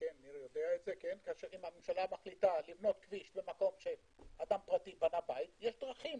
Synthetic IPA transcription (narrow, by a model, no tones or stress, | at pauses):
kenaniɾjod̪eaet̪zekenkaːʃeʁimamemʃalamaχlit̪alivno̞t̪kviʃbe̞mako̞mʃe̞ | ad̪ampʁat̪ibanabait̪jeʃd̪ʁaχim